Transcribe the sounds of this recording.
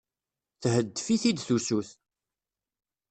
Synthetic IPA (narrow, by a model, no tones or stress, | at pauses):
θhəd̪ːfiθid̪θusuθ